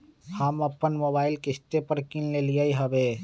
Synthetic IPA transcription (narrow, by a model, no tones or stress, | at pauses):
həmɐpːənmoːbaːɪlkɪst̪epəɾkinlelijaiɦəbeː